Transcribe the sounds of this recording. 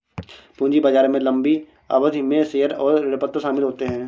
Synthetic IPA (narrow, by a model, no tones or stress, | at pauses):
pũːnd͡ʒibɐd͡ʒaːɾmẽlɐ̃mbi | a̰ːʋəd̪ʱimẽseːəɾɔːɾɾɪpət̪ːəsaːmɪlɦoːt̪eɦɛ̃ː